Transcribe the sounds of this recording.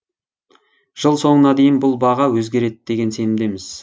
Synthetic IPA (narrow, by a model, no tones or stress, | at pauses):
ʒ̥əlˠso̞ɴənɑd̪e̞jɪnbʊlˠbɑʁɑwɵzɡʲe̞ɾe̞t̪d̪̥e̞ɡʲe̞nse̞nɪmd̪e̞mɪz